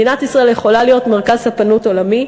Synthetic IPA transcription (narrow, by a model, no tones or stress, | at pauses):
inat̪isʁae̞ljeχo̞lalijo̞tmeʁkazhapanuto̞lami